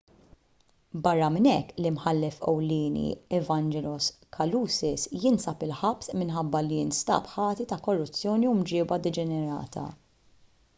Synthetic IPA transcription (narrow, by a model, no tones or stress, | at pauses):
bɐrːɐmɪnɛkːlimħɐlːɛfɛ̰wlɪːnḭɛvɐnd͡ʒɛlɔskʰɐluːsɪsjɪnsɐpɪlħɐpsmɪnħɐbːɐliɪnst̪ɐ̰ːpħɐːt̪it̪ɐkɔrːʊt͡sːjɔːniumd͡ʒɪːbɐd̪ɛd͡ʒɛnɛɾɐ̰ːt̪ʰɐ̰